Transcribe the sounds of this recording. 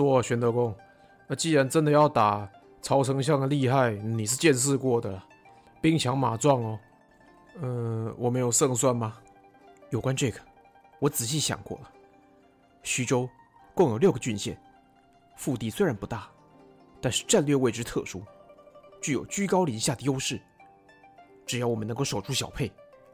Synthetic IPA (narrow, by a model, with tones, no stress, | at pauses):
wɔ˥˩ɕɥɛ˧˥nt̪ɤ˧˥kʊ˥ŋ | ə˧t͡ɕi˥˩ɻa˧˥nʈ͡ʂə˥nd̪ə˨jɑ˥˩ʊt̪a˨˩ | t͡sʰɑ˧˥ʊt͡sʰɤ˧˥ŋɕ̬jɑ˥˩ŋd̪ə˩li˥˧xa˥˩ɪni˨˩ʂ̬ɻ̩˥˧t͡ɕjɛ˥˧nʂ̬ɻ̩˥˧kwɔ˥˩d̪ə˩lɐ˩ | pi˥ŋt͡ɕʰjɑ˧˥ŋma˨˩t͡swɑ˥˩ŋɔ˨˩ | ə˧wʔɔ˨˩me˧˥ɪjo˨˩ʊʂɤ˥˧ŋswa˥˩nma˩ | jo˨˩ʊkwa˦˥nʈ͡ʂɤ˥˩ɡə̥˩ | wɔ˧˥t͡sɹ̩˨˩ɕ̬i˥˩ɕjɑ̰˨˩ŋkwɔ̰˥˩lə˩ | ɕy˧˥ʈ͡ʂo˥ʊ | kʊ˥˩ŋjo˨˩ljo˥˩ʊɡə˩t͡ɕy˥˧nɕjɛ˥˩n | fu˥˧t̪i˥˩swe˥ɪɻa˧˥npu˧˥t̪a˥˩ | t̪a˥˧nʂɻ̩˥˧ʈ͡ʂa˥˧nlɥɛ˥˧we˥˩ɪʈ͡ʂɻ̩˥t̪ʰɤ˥˧ʂu˥ | t͡ɕy˥˩jo˨˩ʊt͡ɕy˥kɑ˥ʊli˧˥ɕja˥˩d̪ə˩jo˥ʊʂɻ̩˥˩ | ʈ͡ʂɻ̩˨˩jɑ˥˩wɔ˨˩mə˦n˧˥ŋko˥˩ʊʂo˨˩ʊʈ͡ʂʰu˥ɕjɑ˨˩ʊpʰe˥˩ɪ